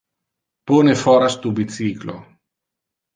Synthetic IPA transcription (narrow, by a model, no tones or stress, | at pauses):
ponefɔɾast̪ubit͡siklo̰